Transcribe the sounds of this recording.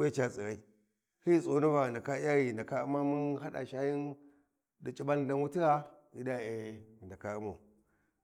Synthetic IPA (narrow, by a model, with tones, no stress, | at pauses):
we˦t͡ʃa˦t͡si˨ɣa˦i˦ | hi˦so˨˦nu˦va˨nda˨ka˦ja˦ɣi˨nda˨ka˦u˦ma˦mu˦nɦa˦ɗa̰˨ʃa˦ji˦n | da˨t͡ʃʼi˦ba˦n˦da˦nwu˦ti˦ɾa˦ | i˦da˦e˨nda˨ka˨˦u˦ma˨